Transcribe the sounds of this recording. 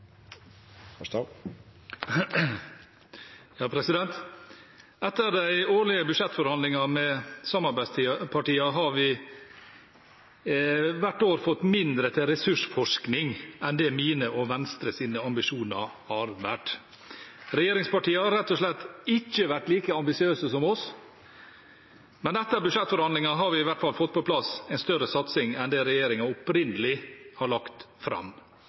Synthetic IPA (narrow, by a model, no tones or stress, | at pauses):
jɑːpʰɾɛsɪd̪ɛnt̪ | ɛt̪ːəɾd̪æɪoːɭɪəbʉʂɛt̪ːfɔɾhɑnd̪lɪŋɑmɛsɑmɑɾbæst̪ʰipʰɑʈiːɑɦɑɾʋɪ | ʋæʈːoːɾfɔt̪ːmɪnd̪ɾət̪ʰɪlɾɛsʉʂfɔʂknɪŋɛnd̪ɛmiːnəɔʋɛnst̪ɾəsiːnəɑmbɪʂuːnɑ̰ɾhɑɾʋæːʈ | ɾɛjeːɾɪŋspɑʈiːəhɑɾɾɛt̪ːɔʂlɛt̪ːɪt͡ʃːəʋæʈliːkəɑmbɪsɪøːsəsɔmɔs | mɛnd̪ɛt̪ːəɾbʉʂɛt̪ːfɔɾhɑnd̪lɪŋɑɦɑɾʋɪɪʋæʈfɑlfɔt̪̚ːpʰɔpʰlɑsɛɪnst̪œɾəsɑt̪sɪŋɛnd̪ɛɾɛjeːɾɪŋɑɔpɾɪnd̪əlɪhɑɭɑkt̪fɾɑ̰m